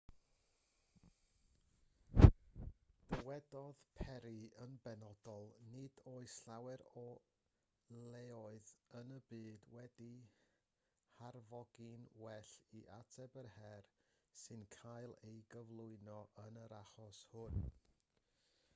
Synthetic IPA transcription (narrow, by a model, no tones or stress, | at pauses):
d̥əwɛdɔðpʰɛɾiənbɛnɔd̥ɔlˠnɪdoːɨsɬawɛɾɔ | leɔɨðənəbɨːdwɛdi | harvɔɡinwɛɬiʔatʰɛbərhɛrsɨnkʰaɨlˠejɡəvlˠʊɨnɔʔənəɾaχɔshʊn